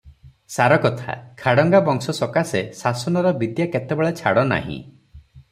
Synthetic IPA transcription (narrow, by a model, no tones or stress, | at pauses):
saɾɔkɔt̪ʰa̰kʰaɽɔŋɡabɔŋsɔsɔkasesasɔnɔɾɔbid̪jaket̪ebeɭet͡ʃʰaɽɔna̰ɦḭ̃